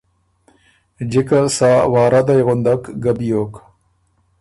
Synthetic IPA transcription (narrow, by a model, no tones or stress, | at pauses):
d͡ʒɪkasaːwɑːɾad̪ajɣʊnd̪akɡabijoːk